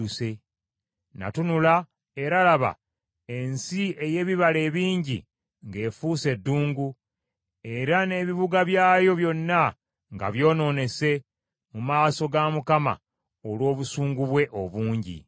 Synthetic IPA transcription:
use̞ | na̰tunula | e̞ɾalaβa̰ | e̞nsie̞je̞ːβiβale̞ːβiːɲɟḭ | ŋɡe̞ːfuːse̞dːuːŋɡu | e̞ɾane̞βiβuɡaβjaːjo̞βjo̞nːa | ŋɡa̰βjo̞ːno̞ːne̞se̞ | mumaːso̞ɡamukama̰ | olwo̞ːβusuːŋɡuβwe̞ʔo̞βuːɲɟḭ

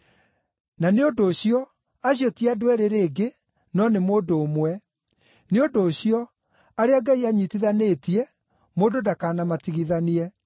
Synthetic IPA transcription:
naneondoːɕiɔ | aɕ̬jotiadwɛɾeɾeːɡe | nɔnemoːndoːmwɛ | neondoːɕiɔ | aɾeaɡaiaɲitiðanetiɛ | mododakaːnamatiɣiðaniɛ

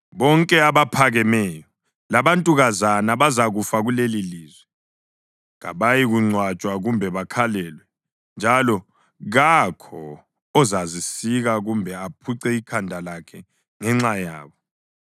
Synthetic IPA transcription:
βɔŋkʼɛaβapʰaɣɛmɛːjɔ | laβantʼuɣazanaβazaɣufaɣuleliliːzwɛ | ŋa̰βajiɣuŋ͡ǀʱwat͡ʃʼwaɣumbʱɛβakʰalɛlwɛ | nd͡ʒʱalɔ | ɣakʰɔ | ɔzazisiɣaɣumbʱɛapʰuǀɛikʰandʱalakʰɛ | ŋɛŋ͡ǁaja̰ːβɔ

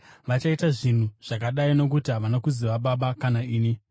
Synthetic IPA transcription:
ʋat͡ʃaitaʐin̤uʐ̥akaɗaino̞k̬utiɦaʋanakuziʋaɓaɓakanaiːni

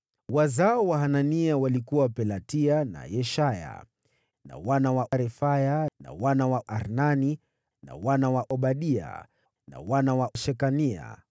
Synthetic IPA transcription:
wazaɔwaɦananiawalikuwapɛlatiana̰jɛʃaja̰ | na̰wanawaʔaɾɛfajana̰wanawaʔaɾnani | na̰wanawaʔɔɓaɗia̰ | na̰wanawaʃɛkania̰

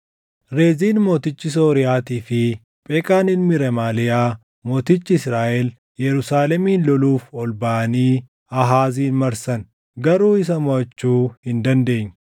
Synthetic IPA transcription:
ɾeːziːnmo̞ːt̪ɪt͡ʃːɪs̬oːɾɪjaːt̪iːfɪ | pʼɛːkʼaːnɪnmɪɾɛmaːlɪjaː | mo̞ːt̪ɪt͡ʃːɪɪsɾaːʔɛl | jɛɾʊsaːlɛmiːnlɔluːfɔlbɐʔɐniː | ɐɦaːziːnmɐɾsɐn | ɡɐɾuːɪs̬ɐmɔɐt͡ʃːuːhɪnd̪ɐnd̪e̞ːɲː

